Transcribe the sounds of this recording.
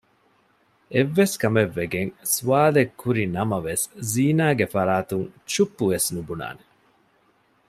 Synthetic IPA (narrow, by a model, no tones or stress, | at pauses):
eʋːeskɐmeʋːeɡeŋsuaːlekʰːuɾinɐmɐʋesziːnaːɡefɐɾaːt̪uŋt͡ʃupːuʋesnubuna̰ːne